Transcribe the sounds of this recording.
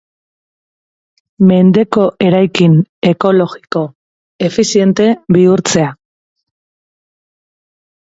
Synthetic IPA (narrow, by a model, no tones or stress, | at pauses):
me̞nd̪e̞ko̞ʔe̞ɾajkine̞ko̞lo̞ɣiko̞ | e̞fisie̞nt̪e̞βiuɾt͡se̞a